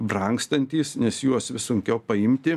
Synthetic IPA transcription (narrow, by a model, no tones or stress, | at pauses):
brɐŋkst̪ɐnʲt̪ʲiːsnʲɛsjuɔsʋʲɪsʊŋʲkʲɛʊpɐɪmʲt̪ʲɪ